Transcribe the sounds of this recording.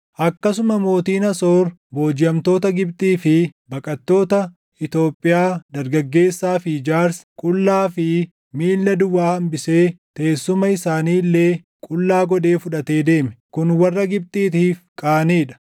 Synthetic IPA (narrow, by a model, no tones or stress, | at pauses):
ʔɐkːɐsʊmɐmo̞ːt̪iːnɐso̞ːɾbo̞ːd͡ʒɪjɐmt̪o̞ːt̪ɐɡɪbt̪ʼiːfɪbɐkʼɐt̪ːo̞ːt̪ɐ | ɪt̪o̞ːpʼːɪjaːd̪ɐɾɡɐɡːe̞ːsːaːfɪd͡ʒaːɾskʼʊlːaːfɪ | miːlːɐd̪ʊwːaːhɐmbɪse̞ːt̪e̞ːsːʊmɐɪsaːniːlːe̞ː | kʼʊlːaːɡɔd̪e̞ːfʊᶑɐt̪e̞ːd̪e̞ːmɛkʊnwɐrːɐɡɪb̚t̪ʼiːt̪iːfkʼaːniːᶑɐ̥